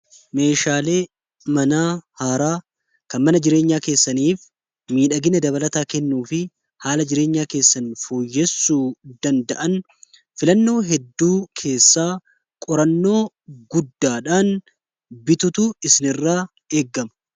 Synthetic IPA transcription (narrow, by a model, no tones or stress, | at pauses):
me̞ːʃaːle̞ː | mɐnaːhaːɾaː | kɐnmɐnɐd͡ʒɪɾe̞ːɲːaːke̞ːsːɐniːf | miːᶑɐɡɪnɐd̪ɐbɐlɐt̪aːkɛnːuːfɪ | haːlɐd͡ʒɪɾe̞ːɲːaːke̞ːsːɐnfoːjːɛsːuːd̪ɐnd̪ɐʔɐn | fɪlɐnːo̞ːɦɛd̪ːuːkʰe̞ːsːaː | kʼɔɾɐnːo̞ː | ɡʊd̪ːaːᶑaːn | bɪt̪ʊt̪ʊɪsɪnɪrːaː | eːɡːɐmɐ